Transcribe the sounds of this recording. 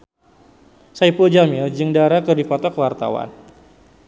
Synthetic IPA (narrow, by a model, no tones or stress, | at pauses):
saijpuld͡ʒamɪld͡ʒɨŋdaɾakɨrdipɔt̪ɔkəwart̪a̰wa̰n